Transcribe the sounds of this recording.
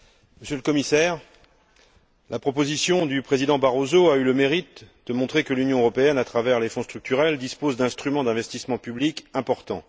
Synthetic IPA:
məsjøləkɔmisɛːʁ | lʔapχɔpozisjɔ̃d̪ypχezid̪ɑ̃baʁozoayləmeʁit̪̚d̪̥əmɔ̃t̪χekəlynjɔ̃øʁɔpeɛnat̪χavɛʁlefɔ̃st̪χyk̚t̪yʁɛld̪ispozd̪ɛ̃st̪χymɑ̃d̪ɛ̃vɛst̪ismɑ̃pyblikɛ̃pɔʁt̪ɑ̰̃

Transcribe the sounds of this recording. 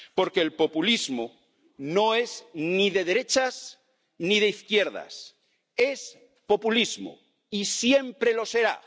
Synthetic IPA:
po̞ɾke̞ːlpo̞pulizmo | no̞e̞zniðe̞ðeɾe̞t͡ʃas | niðe̞iθkje̞ɾða̰s | e̞s | po̞pulizmo̰ | isje̞mpɾe̞lo̞se̞ɾa̰

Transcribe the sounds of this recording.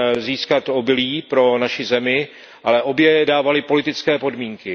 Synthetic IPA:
ziːskat̪o̞bɪliːpɾo̞naʃɪzɛmɪ | ʔalɛʔo̞bjɛdaːvalɪpo̞lɪt̪ɪt͡skɛːpo̞dmiːŋkɪ

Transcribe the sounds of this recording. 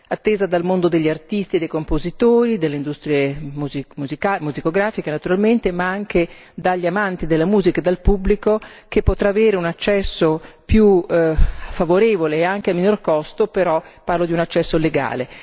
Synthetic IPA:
at̪ːeːzad̪almond̪od̪eʎːiart̪ist̪id̪ejkompozit̪oːɾid̪elːeind̪ust̪ɾjemuzimuzikamuzikoɡɾaːfikenat̪uɾalment̪emaaŋk̟e | d̪aʎːamant̪id̪elːamuːzikaed̪alpubːlikokepːot̪ɾaːveːɾeunat͡ʃːɛsːopju | favoɾeːvoleːaŋk̟eamːinorkɔst̪opeɾɔpːarlod̪iunat͡ʃːɛsːoleɡa̰ːle

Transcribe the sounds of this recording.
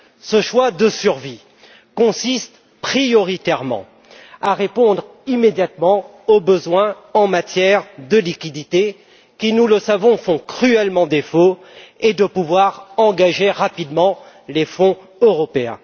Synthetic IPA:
səʃwad̪əsyʁvi | kɔ̃sist̪ | pχijɔʁit̪ɛʁmɑ̰̃ | aʁepɔ̃d̪ʁimed̪jat̪mɑ̃ | obəzwɛ̃ | ɑ̃mat̪jɛʁd̪əlikʲid̪it̪e | kʲinuləsavɔ̃fɔ̃kχyɛlmɑ̃d̪efo | ed̪əpuvwaʁɑ̃ɡaʒeʁapid̪mɑ̃ | lefɔ̃ | øʁɔpeɛ̰̃

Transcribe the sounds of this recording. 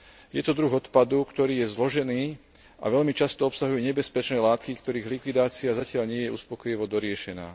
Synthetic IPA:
jɛt̪ɔd̪ɾuɣɔt̪pad̪ukt̪ɔɾiːjɛzlɔʒɛniː | ʔa̰ʋɛʎmit͡ʃast̪ɔɔpsaɦujɛɲɛbɛspɛt͡ʃnɛːlaːt̪kikt̪ɔɾiːɣlikʋid̪aːt͡siazacɪaʎɲɪɛjɛuspɔkɔjiʋɔd̪ɔɾɪɛʃɛna̰ː

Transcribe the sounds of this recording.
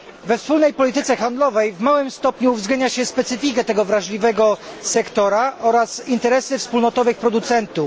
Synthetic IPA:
vɛfspulnɛjpɔlʲit̪ɘt̪sɛxand̪lɔvɛjvmawɘmst̪ɔpɲuːvzɡlɛɲaɕɛspɛt̪sɘfʲikɛt̪ɛɡɔvɾaʐlʲivɛɡɔsɛkt̪ɔɾaʔɔɾasint̪ɛɾɛsɘfspulnɔt̪ɔvɘxpɾɔd̪ut̪sɛnt̪u

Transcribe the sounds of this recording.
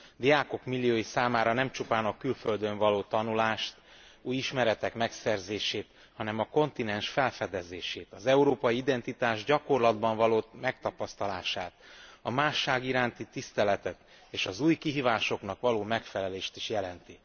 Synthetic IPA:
d̪iaːko̞kmilːijoːjisaːmaːɾɒnɛmt͡ʃupaːnɒkylføld̪ø̞ɱvɒloːt̪ɒnulaːʃt̪ | uːjiʃmɛɾɛt̪ɛkmɛksɛrzeːʃeːt̪ | hɒnɛmɒko̞nt̪inɛnʃfɛlfɛd̪ɛzeːʃeːt̪ɒzɛuɾoːpɒjiid̪ɛnt̪it̪aːʒɟɒko̞rlɒd̪bɒɱvɒloːmɛk̚t̪ɒpɒst̪ɒlaːʃaːt̪ɒmaːʃːaːɡiɾaːnt̪it̪ist̪ɛlɛt̪ɛt̪ | eːʃɒzuːjkiɦiːvaːʃo̞knɒkʋɒloːmɛkfɛlɛleːʃt̪iʃjɛlɛnt̪i

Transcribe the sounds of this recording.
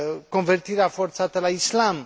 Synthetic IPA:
kɔ̃nvɛɾt̪ʰiɾafɔɾt͡sʰɑt̪ɛlaislɑm

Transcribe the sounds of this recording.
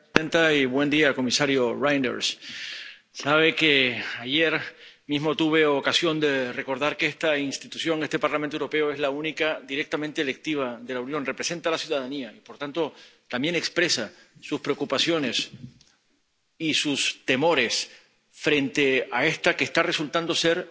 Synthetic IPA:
ent̪aiβwe̞nd̪iako̞misaɾjorajnd̪ḛɾs | saβ̞e̞keaʝeɾmizmo̞t̪uβ̞e̞okasjo̞nd̪e̞re̞ko̞ɾðaɾkeest̪ainst̪it̪usjo̞ŋe̞st̪e̞paɾlament̪wɾo̞pe̞oe̞zlaunikad̪iɾe̞k̚t̪amẽnt̪eːle̞k̚t̪iβ̞aðe̞launjo̞nre̞pɾe̞se̞nt̪alasjuðaðaniaipo̞ɾt̪ant̪o̞t̪ambje̞ne̞kspɾe̞sa | suspɾeokupasjo̞ne̞s | isust̪e̞mo̞ɾe̞s | fɾe̞nt̪e̞ae̞st̪akeːst̪are̞sult̪and̪o̞se̞ɾ

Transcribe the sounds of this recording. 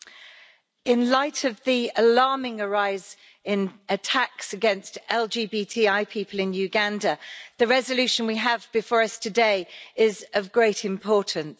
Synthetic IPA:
ɪ̃nlaɪtʰəvðiəlɑːmɪ̃ŋəɹaɪz | ɪ̃nətʰaksəɡɛ̃nstɛlˠd͡ʒiːbiːtʰiːaɪpʰiˑpʰəlɪ̃njʉɡãndəðəɹɛzəljʉˑʃə̃nwiəvbɪfɔːɹəstʰədeɪɪzəvɡɹeɪtʰɪ̃mpʰɔˑʔn̩s

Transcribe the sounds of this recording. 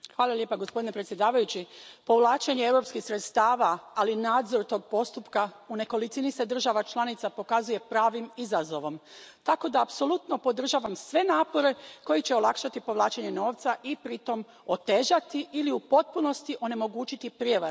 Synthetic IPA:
xʋaːlˠaljepaɡospd̪ine̞pɾet̪sje̞d̪aːʋajut͡ɕipo̞ʋlˠaːt͡ʃeɲeevɾo̞pskixsɾet̪st̪aːʋaːlinaːd̪zo̞ɾt̪o̞ːɡ̚po̞st̪upkaune̞ko̞lit̪inise̞d̪r̩ʒaʋat͡ʃlˠanit̪sapo̞kazuje̞pɾaːʋimizazo̞ʋo̞mt̪ako̞d̪aːpso̞lˠut̪no̞po̞d̪r̩ʒaːʋamsʋe̞naːpo̞ɾe̞ko̞jit͡ɕe̞o̞lˠakʃat̪ipo̞ʋlˠaːt͡ɕeɲe̞no̞ːʋt̪saʔipɾit̪o̞m | o̞t̪e̞ːʒat̪iʔiliupo̞t̪̚puno̞st̪iʔo̞ne̞mo̞ɡuːt͡ɕit̪ipɾjeʋaɾ

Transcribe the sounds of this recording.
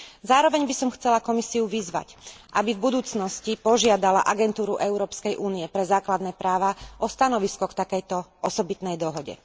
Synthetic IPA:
zaːɾɔʋɛɲbisɔmxt͡sɛlakɔmisiuʋizʋa̰cʔabivbud̪uːt͡snɔscipɔʒɪad̪ala̰ʔaɡɛnt̪uːɾuʔɛʊɾɔːpskɛjʔuːnijɛpɾɛzaːklad̪nɛːpɾaːʋaʔɔst̪anɔʋiskɔkt̪akɛjt̪ɔʔɔsɔbit̪nɛjd̪ɔɦɔɟɛ̰

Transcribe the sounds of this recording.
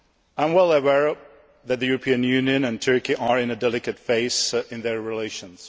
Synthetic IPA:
ãɪ̃mwɛlˠəwɛɹ | ðɨt̪̚ðɨjuɹəpʰĩɨ̃njʉ̃njɨ̃nɨ̃ntʰɜ˞kiʔəɹɪ̃nɨdɛlˠɨkɨtfeɪsɪ̃nðə˞ɹileɪʃə̃nz̥

